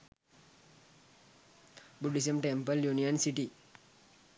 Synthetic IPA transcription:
buɖis̬əmʈɛmpəljuniɔnsiʈi

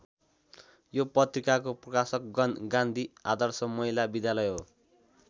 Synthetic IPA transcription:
jopʌt̪rikakoprʌkasʌk̚ɡʌnɡand̪ʱia̰d̪ʌrsʌmʌɦilabid̪jalʌjɦo

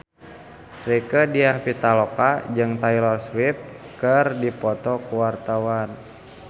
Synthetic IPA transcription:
rikədiahpit̪alɔkad͡ʒɨŋt̪ailɔrswip̚ | kərdipɔt̪ɔkuwart̪awan

